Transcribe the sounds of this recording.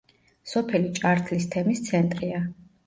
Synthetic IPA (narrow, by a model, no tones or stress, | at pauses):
sɔpʰɛlit͡ʃʼaɾt̪ʰlist̪ʰɛmist̪sʰɛnt̪ʼɾia